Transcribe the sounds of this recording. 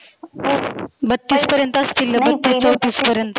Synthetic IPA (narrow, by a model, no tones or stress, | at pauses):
bət̪ːiːspəɾjənt̪əst̪iːlːəbət̪ːiːst͡səwt̪iːspəɾjənt̪